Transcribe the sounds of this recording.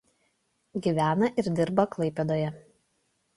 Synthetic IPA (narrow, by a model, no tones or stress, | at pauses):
ɡʲiˑʋʲæːnɐʔɪɾd̪ʲɪɾbɐklˠɐɪpʲed̪oːjɛ